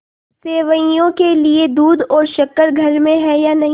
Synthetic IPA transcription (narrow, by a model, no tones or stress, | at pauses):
seːʋəjõkelied̪uːd̪ɔːɾʃɐkəɾɡʱɐɾmẽɦɛjanɐɦĩ